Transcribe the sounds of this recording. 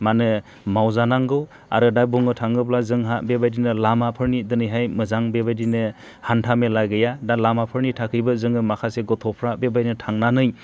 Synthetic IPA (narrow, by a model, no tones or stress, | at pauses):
manɯ | mawzanaŋɡɯw | a̰ɾɯdajbuŋɯtʰaŋɡɯplazɯŋɦaʔbebajdinɯlamapʰɯɾnidɯnɯjɦajmɯzaŋbebajdinɯ | hantʰamelaɡɯjadalamapʰɯɾnitʰakʰɯjbɯzɯŋɯmakʰaseɡɔtʰɔpʰɾabebajnɯtʰaŋnanɯj